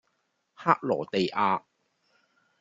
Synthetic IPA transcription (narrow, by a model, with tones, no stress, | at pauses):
haː˥k̚lɔ̰ː˨˩t̪e˨jʔaː˧